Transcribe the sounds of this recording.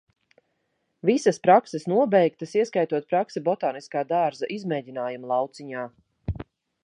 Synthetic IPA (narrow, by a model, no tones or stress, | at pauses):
visɐspɾaksɛsnuɔbɛjk̚t̪ɐsiɛskajt̪uɔt̪̚pɾaksɛbɔt̪aːniskaːd̪aːɾzaʔizmɛːɟinaːjumlˠɑwt̪siɲaː